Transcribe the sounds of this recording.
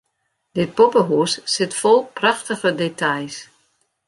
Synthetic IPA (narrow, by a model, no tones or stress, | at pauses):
d̥ɪt̚popəɦuəsːɪtfɔlˠprɑxtəɣədetʰajs